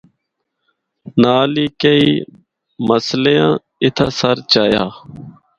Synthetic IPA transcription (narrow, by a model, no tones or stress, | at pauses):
naːliːkəiː | məslejã̰ː | ɪt̪ʰaːsəɾt͡ʃaːjaː